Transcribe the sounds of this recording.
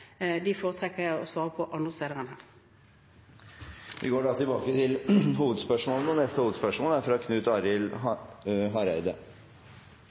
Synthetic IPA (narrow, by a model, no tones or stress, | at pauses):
d̪ɪfoːʁət̪ʰʁɛkːəjæɪɔsʋɑːʁəpʰɔʔɑnd̪ʁəst̪eːd̪əʁənhæːʁ | ʋʔɪ̰ɡoːɖɑːt̪ɪlbɑ̰ːkət̪ʰɪlɦuːʋəd̪spœʂmoːlənəɔnɛst̪əhuːʋəd̪spœʂmoːlæɾfɾɑkʰnʉːt̪ɑɾɪl | ɦɑɾæ̰ɪd̪ə